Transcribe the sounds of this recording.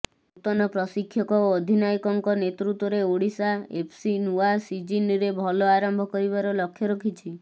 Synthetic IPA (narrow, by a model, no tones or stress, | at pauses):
ut̪ɔnɔpɾɔsikʰːjɔkɔoːd̪ʱinaikɔŋkɔnet̪ɾut̪wɔɾeoɽisaḛpʰsinuasid͡ʒiniɾebʱɔlɔaɾɔmbʱɔkɔɾiβaɾɔlɔkʰːjɔɾɔkʰit͡ʃʰi